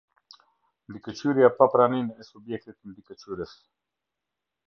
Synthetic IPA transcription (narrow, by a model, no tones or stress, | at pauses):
nd̪ikət͡ʃyɾjapapɾaninɛsubjɛk̚t̪it̪ənd̪ikət͡ʃyɾəs